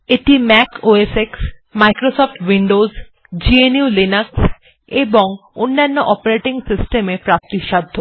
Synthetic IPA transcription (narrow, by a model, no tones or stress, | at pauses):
eʈimɛkoeseksmajkɾosɔfʈwiɳɖoz | d͡ʑienjulinaks | eboŋonːanːoʔɔpaɾeʈiŋsisʈemepɾap̚t̪iʃad̪ʱːo